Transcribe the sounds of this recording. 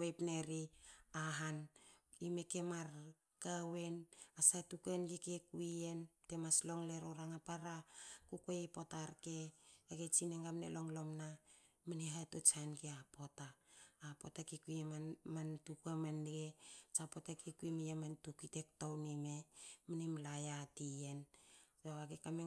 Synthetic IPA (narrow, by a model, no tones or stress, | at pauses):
ejpneɾiaɦan | imeke̞maɾ | kawe̞nasatukenɡikekuie̞nte̞maslo̞ŋleɾoɾaŋapaɾakukoepo̞taɾkeːɡet͡ʃineŋɡamnḛlo̞ŋlo̞mna | miniɦatot͡ʃanɡeapo̞taːpotakikuiemamantukamanɡet͡ʃapotakekuimijemantukitek̚townimeminimlajatiensoaɡekame